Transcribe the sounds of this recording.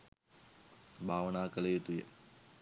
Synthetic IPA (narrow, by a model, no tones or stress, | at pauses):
bʱaːʋənaːkələjet̪ujə̰